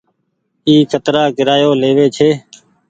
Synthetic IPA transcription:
iːkʰət̪ɾaːkɪɾaːjoːleːʋeːt͡ʃʰeː

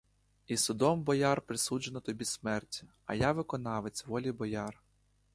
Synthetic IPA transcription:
isʊd̪ɔmbɔjɑrpɾɪsud͡ʒenɔt̪ɔbʲismɛrtʲi̥ | ɐ̰jɑʋɪkɔnɑʋet͡sʲʋɔlʲibɔjɑr

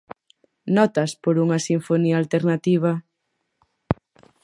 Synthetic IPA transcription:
nɔt̪aspoɾuŋɐsiɱfonialt̪eɾnat̪iβ̞a

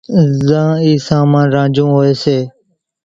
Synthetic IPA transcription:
zãːiːsaːmãːnɾãːd͡ʒũːɦoːeːseː

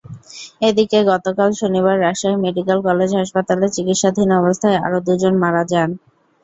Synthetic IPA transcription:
ed̪ikeɡɔt̪okalʃoniβaɾːaʃajmeɖikalkɔled͡ʑɦaʃpat̪alet͡ɕikit̪ʃad̪ʱinɔbost̪ʰaea̰ɾod̪ud͡ʑonmaɾad͡ʑan

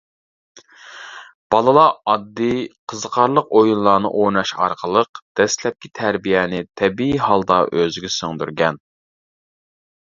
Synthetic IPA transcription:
b̥ɑlˠɨlˠɑɑd̪ːiqʰəzəqʰɑɾlˠəqojunlˠɑːnɨ̰ʔonɑʃɑ̰ɾqʰəlˠəqd̪̥ɛslɛp̚kʲit̪ʰæɾbijɛnɪt̪ʰɛbiihɑlˠd̪ɑʔøzɪɡʲɛsøŋd̪yɾɡʲɛn

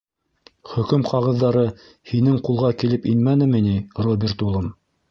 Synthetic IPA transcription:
χɵ̆kɵmqɑʁɤ̆ðːɑɾɤ | hinɘŋqulˠʁɑkilɘpinmænɘ̆minirobʲert̪ulˠɤm

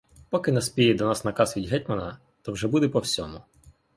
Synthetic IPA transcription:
pɔkɪnɐspʲijɛd̪ɔnɑsnɐkɑsʋʲidʲɦɛt̚ʲmɐnɐ | t̪ɔwʒɛbud̪epɔwsʲɔmʊ

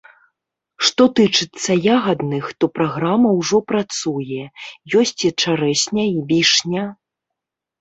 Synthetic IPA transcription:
ʂt̪ɔt̪ɨt͡ʂɨt̪sːɐjaɣɐd̪nɨxt̪ɔpɾaɣɾamɐwʐɔpɾat̪sujɛjɔsʲt͡sʲit͡ʂaɾɛsʲnʲɐibʲiʂnʲɐ

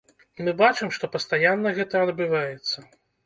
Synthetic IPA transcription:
mɨbat͡ʂɨmʂt̪ɔpɐst̪ajanːɐɣɛt̪ɐɐd̪bɨvajɛt̪sːɐ

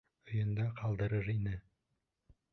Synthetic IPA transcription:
ɵ̆jɤ̆nd̪ɑqʰɑlˠd̪ɤɾɤɾinɘ

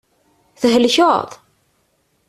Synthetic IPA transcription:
θəɦəlço̰ðˤ

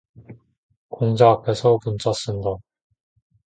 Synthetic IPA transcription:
koŋd͡ʑaːpʰe̞sʰʌpunt͡ɕʰas͈ɯnda

